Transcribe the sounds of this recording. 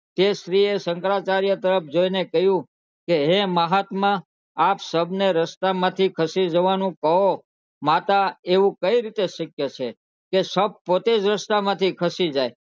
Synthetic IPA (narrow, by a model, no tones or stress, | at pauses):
t̪eʃɾiesəŋkɾat͡ʃaɾjət̪əɾəpd͡ʒoinekəɦjũ | keɦẽməɦat̪mã | apsəbneɾəst̪amãt̪ʰikʰəsid͡ʒəʋanũkəɦo | mat̪aeʋũkəiɾit̪eʃəkjət͡ʃʰe | kesəb̚pot̪ed͡ʒɾəst̪amãt̪ʰikʰəsid͡ʒaj